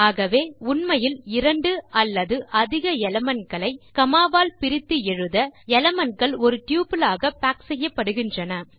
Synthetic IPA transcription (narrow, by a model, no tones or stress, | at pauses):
aːɣɐʋeːʊnmɐjɪlɪɾɐɳɖɯɐlːɐðɯʔɐðɪɣɐɛlɐmɐnkɐɭɐɪkɐmaːʋaːlpɪɾɪt̪ːɯɛɻɯðɐɛlɐmɐnɡɐɭɔɾɯʈ̪juːpɪlaːɣɐpaːksɛjːɐpːɐɽɯɣɪndrɐnɐ